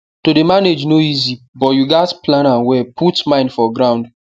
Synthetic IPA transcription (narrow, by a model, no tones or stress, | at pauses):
todemaned͡ʒnoizi | bɔtjuɡatplãnawɛpʰutmãɪ̃ndfɔɡɹãʊ̃nd